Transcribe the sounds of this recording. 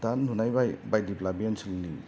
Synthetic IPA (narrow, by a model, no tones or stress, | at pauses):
tanunajbajbajdiplabiensilni